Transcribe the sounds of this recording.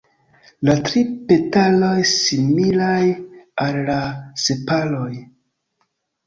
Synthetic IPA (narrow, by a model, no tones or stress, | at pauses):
latɾipe̞talo̞jsimilajalːase̞palo̞j